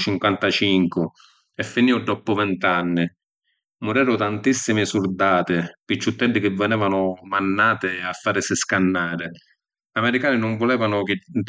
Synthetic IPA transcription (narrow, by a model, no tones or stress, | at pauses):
t͡ʃiŋkwant̪at͡ʃiŋkʊ | ɛfːiniːʊd̪ɔpːʊvɛnt̪anːɪ | mʊɾɛːɾʊt̪ant̪isːimɪsurd̪aːt̪ɪpit͡ʃːut̪ːɛdːɪk̟ɪvːɛnɛːvanʊmanːaːt̪ɪafːaːɾɪsɪskanːaːɾɪ | amɛɾikaːnɪnʊɱvʊlɛːvanʊk̟ɪ